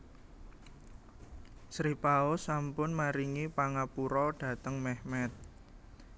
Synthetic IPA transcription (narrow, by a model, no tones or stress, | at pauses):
sɾipaosampʊnmaɾiŋipaŋapuɾɔɖ̥ä̤t̪əŋmɛhmɛt̪̚